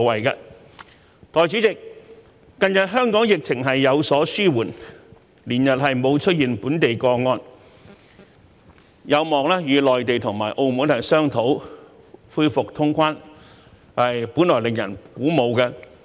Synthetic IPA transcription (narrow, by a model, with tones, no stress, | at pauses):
wɐ˨jkɛ̰˧ | t̪ɔː˨˩jt͡si˨˥t͡sɪ˨kː | ɐ˧njɐ˨t̚ɦœː˥ŋkɔː˨˥ŋjɪ˨k̚t͡sʰɪ˨˩ŋɦɐ˨jːɐ˨˧wsɔː˨˥syː˥wuː˨˩n | liː˨˩njɐ˨t̚ɦɐ˨jmo˨˧wt͡ʃʰɵ˥t̚jiː˨˩npuː˨˥nt̪e˨jkɔː˧ŋɔː˧n | jʔɐ˨˧wmɔː˨ŋlɛː˥jyː˨˧lɔː˨jt̪e˨jt̪ʰʊ˨˩ŋma̰ː˨˩jʔo˧wmuː˨˥nt̪ʰɐ˨˩jsœː˥ŋt̪ʰo˨˥w | fuː˧jfʊ˨k̚t̪ʰʊ˥ŋkʰʷwaː˥n | ɐ˨jpuː˨˥nlɔː˨˩jlɪ˨ŋjɐ˨˩nkuː˨˥mo˨˧wkɛ˧